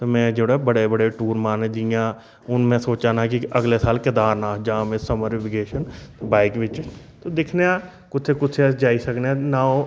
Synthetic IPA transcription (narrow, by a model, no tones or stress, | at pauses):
t̪oːmɛ̃ːd͡ʒeːɽaːbəɽeːbəɽeːʈuːɾmaːned̪ijãː | ʊnmɛ̃ːsoːt͡ʃaːnãːkɪəɡleːsaːlkɪd̪aːɾnãːd͡ʒaːmẽːsəməɾɪʋɪɡeːʃənbaːɪkʋɪt͡ʃ | t̪oːd̪ɪkʰneãː | kʊt̪ʰeːkʊt̪ʰeəd͡ʒaːisəkneãːnãːõ